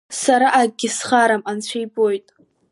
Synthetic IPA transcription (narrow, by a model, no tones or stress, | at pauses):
saɾaʔaɡʲɪsχaɾamant͡ɕʷʰajbo̞jtʼ